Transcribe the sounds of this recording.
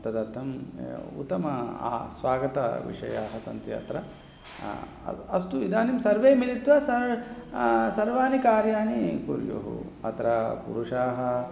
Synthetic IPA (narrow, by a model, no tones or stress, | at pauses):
t̪ɐd̪ɐt̪ʰːɐmṵt̪ːɐmɐ̰ːsʋaːɡɐt̪ɐ̰ʋḭʂɐ̰jaːɦɐsɐ̰nt̪jɐ̰t̪ɾɐ | ɐst̪uid̪aːnimsɐɾʋeːmilit̪ʋɐsɐɾ | sɐɾʋaːnikaːɾjaːnikṵɾjo̰ɦṵ | ɐ̰t̪ɐɾɐpṵɾuʂaːɦɐ